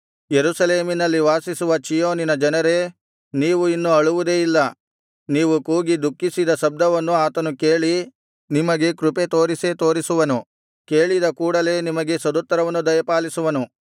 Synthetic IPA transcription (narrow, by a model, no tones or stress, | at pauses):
jeɾusɐle̞ːminɐlːiʋaːsisuʋɐt͡ʃijoːninɐd͡ʒɐnɐɾe̞ | niːʋuinːuɐɭuʋud̪eːilːɐ | niːʋukuːɡid̪ukːisid̪ɐʃɐb̚d̪ʱɐʋɐnːuaːt̪ɐnuke̞ːɭi | nimɐɡe̞kɾupet̪o̞ːɾiset̪o̞ːɾisuʋɐnu | ke̞ːɭid̪ɐkuːɽɐle̞ːnimɐɡesɐd̪ɔt̪ːɐɾɐʋɐnːud̪ɐjɐpaːlisuʋɐnu